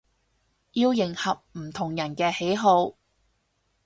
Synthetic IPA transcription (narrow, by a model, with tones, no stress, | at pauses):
jiː˧wjɪ˨˩ŋhɐ˨p̚m̩˨˩t̪ʰʊ˨˩ŋjɐ˨˩nkɛː˧he˨˥jɦo˧w